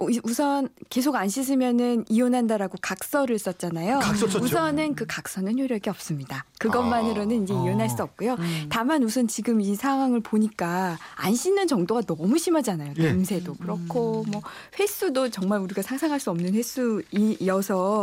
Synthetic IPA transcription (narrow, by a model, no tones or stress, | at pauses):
iusʰʌnke̞s̬ʰoɡanɕʰis̬ʰɯmjʌnɯnionɦandaɾaɡokak̚s͈ʌɾɯɭs͈ʌt̚t͡ɕ͈anajousʰʌnɯnkɯkak̚s͈ʌnɯnçjoɾjʌɡiʌp̚s͈ɯmɲidakɯɡʌmanɯɾonɯnid͡ʑe̞ionɦaɭs͈uʌp̚k͈ujotamanusʰʌnt͡ɕiɡɯmisʰaŋɦwaŋɯɭpoɲik͈aanɕʰinːɯnt͡ɕʌŋdoɡanʌmuɕʰimad͡ʑanajoteŋsʰe̞dokɯɾʌkʰomwʌ | ɸwe̞s͈udot͡ɕʌŋmaɾuɾiɡasʰaŋsʰaŋɦaɭs͈uʌmnɯnɸwes͈ʰuijʌsʰʌ